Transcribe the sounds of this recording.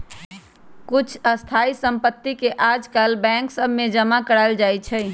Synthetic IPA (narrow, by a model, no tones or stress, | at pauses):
kut͡ʃʰəst̪ʰaisəmpət̪ːikeʔad͡ʒkalbɛ̃ŋksəbʱmed͡ʒəmakəɾaɪld͡ʒajt͡ʃʰɛ